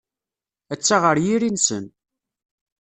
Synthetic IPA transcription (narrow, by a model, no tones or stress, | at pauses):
æt͡sːaʁəɾjiɾinsə̰n